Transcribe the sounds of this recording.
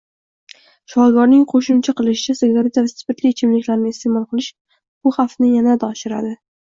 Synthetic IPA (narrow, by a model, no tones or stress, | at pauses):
ʃɒɾɡɒɾnɪŋqʰoʃʊmt͡ʃʰaqɨlˠɪʃɪ̥t͡ʃʰaseɡaɾet̪ʰavɪsɪ̥pɪt̪lɪːt͡ʃʰɪmlɪkʲlaɾnɪːst̪ʰemɒlˠqʰɨlˠɪʃ | b̥ʊχafnɪjanad̪aɒʃɪɾa̰d̪ɪ